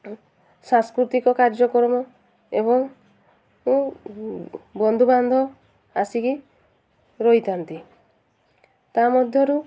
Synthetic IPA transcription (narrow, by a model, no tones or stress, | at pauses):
sãŋskɾut̪ikɔkaɾd͡ʒɔkɔɾɔmɔ | eβɔŋ | mũ | bɔnd̪ʱuband̪ʱɔ | asiki | ɾojt̪ant̪i | t̪amɔd̪ʱjɔɾu